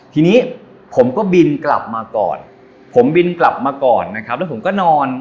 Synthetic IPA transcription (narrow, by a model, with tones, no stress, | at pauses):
t̪ʰiː˧niː˦˥ | pʰo˩˦mkɔː˥˩bi˧nkla̰˨˩p̚maː˧kɔ̰ː˨˩n | pʰo˩˦mbi˧nkla˨˩p̚maː˧kɔː˨˩nːa˦˥kʰa˦˥p̚lɛ˦˥pʰo˩˦kɔː˥˩nɔː˧n